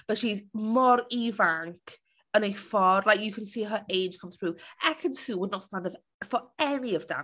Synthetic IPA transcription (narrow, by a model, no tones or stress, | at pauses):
b̥ətʃizmɔɹivaŋkʰ | ə̃nefɔɹlajkjəkʰə̃nsiːɦəʔeɪ̥ʒ̥kʰə̃mθɹuːɛkʰə̃nsuːwədⁿnətstãndəv | fəɛniəvda̰